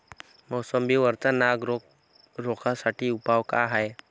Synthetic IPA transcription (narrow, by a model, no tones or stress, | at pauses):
məwsəmbiːʋəɾt͡sanaɡɾ | ɾokʰasaʈʰiːupaʋkaɦaj